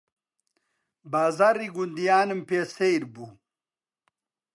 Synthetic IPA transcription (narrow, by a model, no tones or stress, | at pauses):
baːzaɾiɡund̪ijaːnɐmpesejɾbu